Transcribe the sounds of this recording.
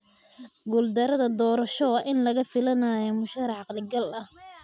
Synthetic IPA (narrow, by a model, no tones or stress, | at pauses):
ɡuld̪ɐɾɐðɐd̪ɔːɾɐʃɔʔɪnlɐɣɐfɪlɐnaːjɔmʊʃɐɾʕɑqlɪɡɐlɐh